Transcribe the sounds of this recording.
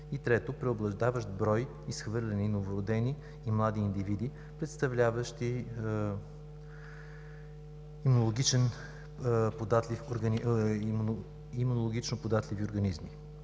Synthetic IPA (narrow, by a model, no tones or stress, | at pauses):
it̪ɾɛt̪opɾɛoblˠɐʒd̪avəʃt̪bɾɔj | isxvɤɾlʲɛninovoɾod̪ɛniː | mlˠad̪iːnd̪ivid̪i | pɾɛt̪st̪ɐvlʲavəʃt̪i | imunolˠoɡʲit͡ʃɛn | pod̪at̪lʲifoɾɡni | imunolˠoɡʲit͡ʃnopod̪at̪lʲivioɾɡɐnizmi